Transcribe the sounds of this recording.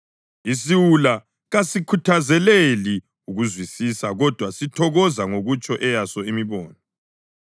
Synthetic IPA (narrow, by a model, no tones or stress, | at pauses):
is̬iwula | ɣasikʰutʰazɛleli | uɣuzwisisaɣɔd̥ʱwasitʰɔɣɔzaŋoɣut͡ʃʼɔʔɛjasɔimiβɔːnɔ